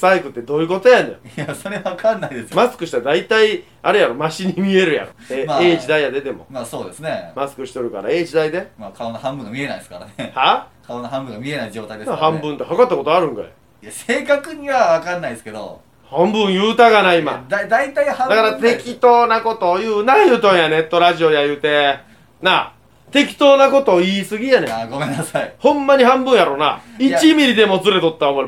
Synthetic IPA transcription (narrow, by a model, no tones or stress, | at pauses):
saikɯ̟t̪ːe̞d̪o̞ːjɯ̟ko̞t̪ojãnojojasoɾeaβakanːaid̪esɨmasɨ̥kɯ̟ɕi̥t̪ad̪ait̪ai | aɾɯ̟jaɾomaɕiɲ̟imʲie̞ɾɯ̟ja̰ɾoemaeːʑid̪ajad̪e̞t̪e̞mo̞̰maːso̞ːd̪esɨne̞masɨ̥kɯ̟ɕi̥t̪oɾɯ̟kaɾa̰e̞ːʑid̪aid̪e̞maːkaonoɦãmbɯ̟̃ŋɡamie̞naiesɨ̥kaɾa̰nehakʰaonoɦãmbɯ̟̃ŋɡamʲie̞naid͡ʑo̞ːt̪aid̪enhãmbɯ̟̃nt̪ːe̞ɦakat̪ːako̞t̪oaɾɯ̟̃ŋka̰ | ijaseːkakɯ̟ɲiβaβakanːaiske̞d̪o̰ | hãmbɯ̟̃ɰ̃jɯːt̪aɡanaima̰d̪d̪ait̪aihãd̪akaɾat̪e̞kʲit̪o̞ːnako̞t̪o̞ːjɯːnajɯt̪õɰjane̞t̪ːo̞ɾaʑio̞jajɯ̟ːt̪e̞ | na | t̪e̞kʲi̥t̪o̞ːnako̞t̪o̞ːiːsɨɡʲijaneɡomẽnːasaihõ̞mːaɲ̟iɦãmbɯ̃ɰ̃jaɾo̞ːna̰iimʲiɾʲid̪e̞mo̞t͡sɨɾe̞t̪o̞t̪ːaomoɾi